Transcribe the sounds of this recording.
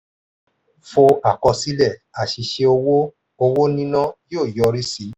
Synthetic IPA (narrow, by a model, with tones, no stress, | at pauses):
fo˧a˨kɔ˧si˦lɛ˦˨a˨ʃi˧ʃe˧o˧wo˦ | o˧wo˦nĩ˦nã˦jo˦˨jɔ˧ɾi˦si˨˧˦